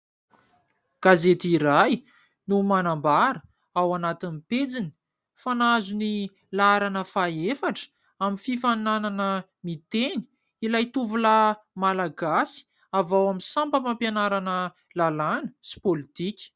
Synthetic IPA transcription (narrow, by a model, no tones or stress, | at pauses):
ɡ̥azet̪iɾaj | numanambaɾə | awanat̪iniped͡zini̥ | fanazuni | laaɾanəfaefaʈ͡ʂ | aminfifanananə | mit̪eni̥ | ilajt̪uvula | malaɡasi̥ | avawamisampəmampjanaɾanə | lalanə̥si̥polit̪ikʲi̥